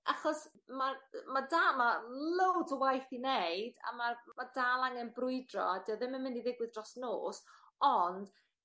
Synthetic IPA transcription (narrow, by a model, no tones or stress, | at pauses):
aχɔs | mamadaːmalowdəwajθineɨda̰mamadalˠaŋɛnbrʊɨdrɔ̰adiɔðɪmənmɪndiðɪɡwɨðdrɔsnoːs | ɔnd̥